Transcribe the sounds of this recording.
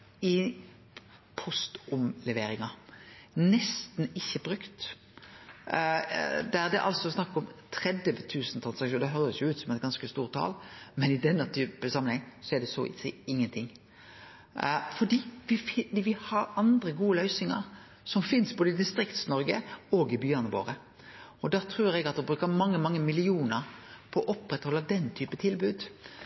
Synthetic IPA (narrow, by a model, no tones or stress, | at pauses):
ɪ | pʰɔst̪ʊmlɛʋeːɾɪŋɑ | nɛst̪nɪçːəbɾʉkt̪ | d̪æd̪ɛ̰ʔɑ̰lsɔsnɑkːɔmt̪ʰɾɛd̪əʋət̪ʰʉːsn̩t̪ʰɾɑnsɑkʃuːnd̪ɛɦœɾəsjʊʉːt̪sɔmɛt̪̚ɡɑnskəst̪uːʁt̪ʰːɑ̰ːlmɛnɪd̪ɛnːət̪ʰyːpəsɑmːənhɛŋsɔæɖ̪ɛsɔɪ̰sɛɪɪŋːənt̪ʰɪŋː | fɔɖ̪iːʋɪd̪ʋɪhɑɾɑnd̪ɾəɡuːəlœʏsɪŋə̰ɾ | sɔmfɪnsboːd̪əɪd̪ɪst̪ɾɪkt̪snɔɾɡəɔːɡɪbyːɑnəʋo̰ːʁə | ɔd̪æːt̪ʰɾuːɾɛɡɑt̪̚ɛbɾʉːkəmɑŋːəmɑŋːəmɪlɪuːnəɾpʰɔʔɔpːɾɛt̪hɔlːəd̪ɛnːt̪ʰyːpət̪ʰɪlbʉːd̪